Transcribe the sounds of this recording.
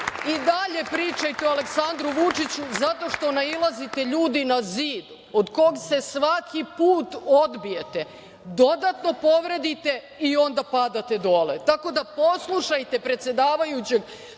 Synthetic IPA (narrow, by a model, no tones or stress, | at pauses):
id̪aʎe̞pɾiːt͡ʃajt̪eoale̞ksand̪ɾuʋut͡ʂit͡ɕuzat̪o̞ʃt̪o̞nailˠazit̪e̞ʎuːd̪inaziːd̪ | od̪ko̞ɡse̞sʋakʰipuːt̪o̞d̪bije̞t̪e̞ | d̪o̞d̪at̪no̞po̞ʋɾe̞d̪it̪e̞ | io̞nd̪apad̪at̪e̞d̪o̞lḛt̪ako̞d̪apo̞slˠuʃajt̪e̞pɾet̪sje̞d̪aːʋajut͡ɕe̞ɡ